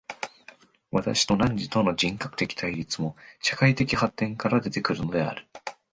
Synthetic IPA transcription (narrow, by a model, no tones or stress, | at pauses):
βat̪a̰ɕi̥t̪o̞nãɲ̟d͡ʑit̪o̞no̞d͡ʑĩŋkḁkɯ̟̥e̞kʲi̥t̪ʰaiɾʲit͡sɨmo̞ɕḁkait̪e̞kʲihat̪ːẽ̞ŋkaɾad̪e̞t̪e̞kɯ̟ɾɯ̟no̞d̪e̞a̰ɾɯ̟